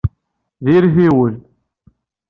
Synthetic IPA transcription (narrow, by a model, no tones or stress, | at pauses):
ðiɾθiwəl